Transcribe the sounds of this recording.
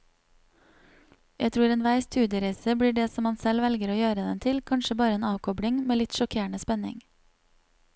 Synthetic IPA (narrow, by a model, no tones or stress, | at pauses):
jæɪt̪ʰɾuːɾeːnʋæɪst̪ʰʉːd̪jəɾæɪsəbɽiːɖeːsɔmɑnsɛlʋɛlɡəɾoːjøːɾəd̪ɛnt̪ʰɪlkʰɑnʃəbɑːɾəeːnɑːʋkʰɔbɽɪŋmeːlɪt̪ʃɔkʰeːɳəspɛnɪ̰ŋ